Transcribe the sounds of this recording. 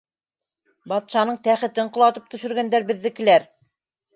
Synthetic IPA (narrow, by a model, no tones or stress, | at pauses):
bɑt̪ʃɑnɤɴt̪æχɘ̆t̪ɘɴqŏlˠɑt̪ɤp̚t̪ɵ̆ʃɵ̆ɾɡænd̪æɾbɘ̆ðːɘkɘ̆læɾ